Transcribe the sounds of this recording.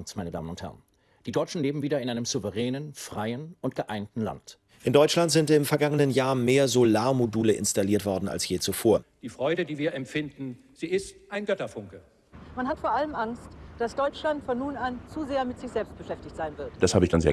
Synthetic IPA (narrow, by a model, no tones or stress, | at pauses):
ŋsmaɪnəda̰ːmənʊnthɛ̰ʁən | d̥iːdɔʏt͡ʃn̩leːbm̩viːdɐɪnʔaɪnəmz̥uvəʁɛːnənfʁ̥aɪənʔʊntɡ̥əʔaɪntn̩la̰nt | ʔɪndɔʏt͡ʃlantz̥ɪntɪmfɛɐɡaŋənənjaːɐmeːɐzolaːɐmoduːləʔɪ̰nstaliːɐtv̥ɔɐdn̩a̰lsjeːt͡sufoːɐd̥iːfʁ̥ɔʏɾədiːviːɐɛmfɪndn̩ | z̥iːɪstʔaɪnɡœtɐfʊŋkə | manɦatfoːɐʔaləmʔaŋstd̥asd̥ɔʏt͡ʃlantfɔnːuːnant͡suzeːɐmɪtz̥ɪçz̥ɛlpst̚b̥əʃɛftɪçtz̥aɪnvɪɐtd̥ashaːbəɪçd̥anzeːɐ